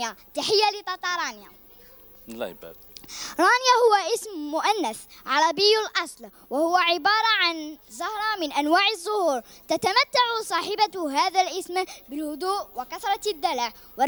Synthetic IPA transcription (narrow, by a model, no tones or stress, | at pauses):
jat̪aħɪjːalɪt̪ˤɑt̪ˤɑɾˤɑːnja̰ | ba̰ | ɾˤɑːnjahʊwːaʔɪsmːʊʔanːæsʕɑɾˤɑbɪjːlʔɑsˤl | wahʊwːaʕɪbɑːɾˤɑʕanzɑhɾˤɑmɪnʔanwaːʕɪzˤːʊhuːɾt̪at̪amat̪ːaʕusˤɑːħɪbaɦaːðalʔɪsmbɪlhʊd̪uːʔwɪkɑθɾˤɑd̪ːala | w